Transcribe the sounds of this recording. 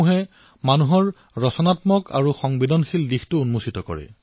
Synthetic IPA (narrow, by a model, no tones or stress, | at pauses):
uɦɛ | manuɦɔɹ | ɹɔsɔnatmɔkʰa̰ɹuxɔŋbidɔnxildixtʊunmusitɔkɔ̰ɹɛ̰